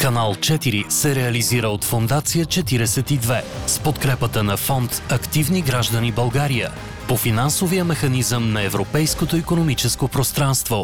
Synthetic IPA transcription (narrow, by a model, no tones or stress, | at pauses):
kɐnalˠt͡ʃɛt̪iɾisɛɾɛɐliziɾəot̪fond̪at̪sijət͡ʃɛt̪iɾɛsɛt̪id̪vɛspot̪kɾɛpət̪ənɐfɔnt̪ɐkt̪ivniɡɾaʒd̪ənibɐlˠɡaɾijə̰ | pofinansovijəmɛxɐnizəmnɐɛvɾopɛjskot̪oikonomit͡ʃɛskopɾost̪ɾanst̪vo